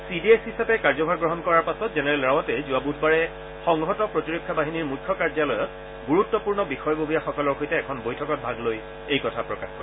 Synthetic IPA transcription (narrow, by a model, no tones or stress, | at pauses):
sidieshisapɛkaɹzɔbʱaɹɡɹɔɦɔnkɔɹaɹpasɔtzɛnɛɹɛlɹawɔtɛzuabudʰʱbaɹɛ | xɔŋɦɔtɔpɹɔtiɹokʰːabaɦiniɹmujkʰːɔkaɹd͡ʒalɔjɔt | ɡuɹutːɔpuɹnɔbixɔjɔbʱobʱijaxɔkɔlɔɹxojtɛːkʰɔnbojtʰɔkɔt̚bʱaɡloj | ejkɔtʰapɹɔkaxkɔɹɛ